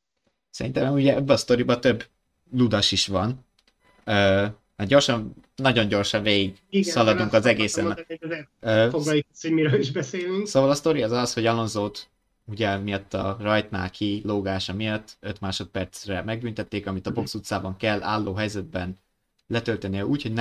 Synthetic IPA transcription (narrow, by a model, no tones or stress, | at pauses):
sɛɾint̪ɛmɛmuɟɛɒbːɛːst̪o̞ɾibɒt̪ø̞bː | lud̪ɒʃiʃʋɒn | øː | mɛrɟo̞rʃɒnnɒɟo̞ɲɟo̞rʃɒnveːɡiɡiɡsɒlɒd̪uŋkɒzɛɡeːsɛ | øːfoɡlɒkshoɟmiɾøːliʒbɛseːlyŋksoːvɒlɒst̪o̞ɾiɒzɒsho̞ɟɒlo̞nzoːt̪ | uɟɛmijɒt̪ːɒ̰rɒjt̪na̰ːlkʰiloːɡaːʃɒmijɒt̪ːø̞t̪maːʃo̞t̪̚pɛrt̪srɛmɛɡ̚bynt̪ɛt̪ːeːkɒmit̪ɒbo̞ksut̪saːbɒŋkɛlːʔa̰ːlːoːɦɛjzɛd̪̚bɛn | lɛt̪ø̞lt̪ɛnijɛuːcho̞ɟnɛ